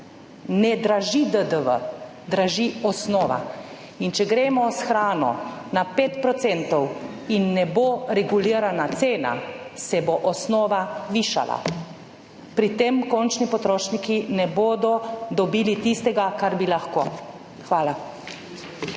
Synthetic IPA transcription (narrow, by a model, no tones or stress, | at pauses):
nɛd̪ɾaʒid̪əd̪əʋə̰ | d̪ɾaʒiɔsnɔːʋa̰ | int͡ʃɛɡɾeːmɔsxɾaːnɔ̰napeːt̪pɾɔt̪sent̪ɔw | inːɛboɾɛɡuliːɾanat̪seːna̰sɛboʔɔsnɔːʋaʋiːʃa̰lʔa̰ | pɾit̪emkɔnt͡ʃnipɔt̪ɾoːʃnikinɛboːd̪ɔd̪ɔbiːlit̪ist̪ɛɡakaɾbilaxkoː | xʋaːla